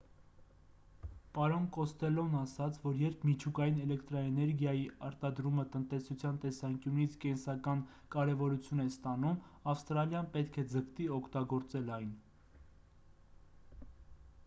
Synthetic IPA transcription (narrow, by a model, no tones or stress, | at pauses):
pɑɾɔnkɔst̪ɛlɔnɑsɑt͡sʰvɔɾjɛɾpʰmit͡ʃʰukɑjinɛlɛkt̪ɾɑɛnɛɾɡjɑjiɑɾt̪ɑd̪ɾumət̪ənt̪ɛsut͡sʰjɑnt̪ɛsɑŋkjunit͡sʰkɛnsɑkɑn | kɑɾɛvɔɾut͡sʰjunɛst̪ɑnumɑfst̪ɾɑljɑnpɛt̪kʰɛd͡zəkt̪iɔkʰt̪ɑɡɔɾt͡sɛlɑjn